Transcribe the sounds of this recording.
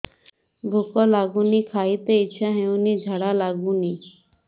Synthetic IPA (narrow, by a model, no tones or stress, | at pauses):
bʱukɔlaɡunikʰajt̪eitːʃʰaɦewnid͡ʑʱaɽalaɡuni